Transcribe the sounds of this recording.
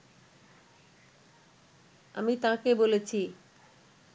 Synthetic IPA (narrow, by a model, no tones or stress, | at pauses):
amit̪ãkebolet͡ɕʰi